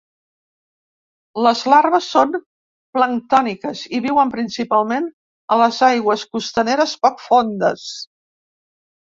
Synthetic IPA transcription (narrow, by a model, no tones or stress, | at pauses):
ləzlaɾβəsːon | pləŋt̪ɔnikəziβiwəmpɾinsipalˠmen | ələzajɣwəskust̪əneɾəspɔkfond̪əs